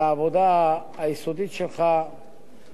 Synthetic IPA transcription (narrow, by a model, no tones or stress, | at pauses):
aːvod̪aː | isod̪it͡ʃʰɛχa